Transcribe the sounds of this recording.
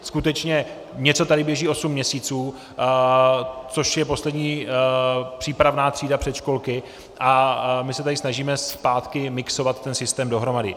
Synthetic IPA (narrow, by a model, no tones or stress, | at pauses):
skut̪ɛt͡ʃɲɛ | ɲɛt͡sot̪adɪbjɛʒiːo̞sumːɲɛsiːt͡suː | t͡so̞ʃjɛpo̞slɛdɲiː | pr̝̥iːpɾavnaːt̪r̝̥iːdapr̝̥ɛt̪ʃko̞lkɪ | ʔamɪsɛt̪adɪsnaʒiːmɛspaːt̪kɪmɪkso̞vat̪ːɛnsɪst̪ɛːmdo̞ɦɾo̞madɪ̰